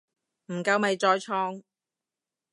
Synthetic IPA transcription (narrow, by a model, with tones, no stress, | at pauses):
m̩˨˩kɐ˧wmɐ˨jt͡ʃɔː˧jt͡ʃʰɔː˧ŋ